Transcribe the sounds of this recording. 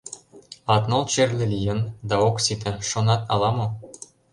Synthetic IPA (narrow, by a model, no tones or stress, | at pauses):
ɑt̪nolt͡ɕerlĕlʲijənd̪ɑoksit̪ĕʃonɑt̪ɑlɑmo